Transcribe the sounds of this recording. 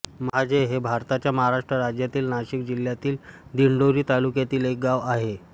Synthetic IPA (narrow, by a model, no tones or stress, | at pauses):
mad͡ʑʱeɦebʱaɾt̪at͡ɕjaməɦaɾaʂʈɾəɾad͡ʑjat̪iːlnaɕik̚d͡ʑiljat̪iːld̪iɳɖoɾiːt̪alukjat̪iːlek̚ɡaʋaɦe